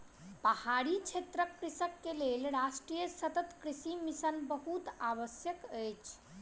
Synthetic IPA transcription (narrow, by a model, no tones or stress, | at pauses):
pəhaɾit͡ʃʰet̪ɾəkːɾisəkːelelɾasʈɾijəsət̪ət̪kɾisimisənbəɦut̪aʋəsjəkəjt͡ʃʰ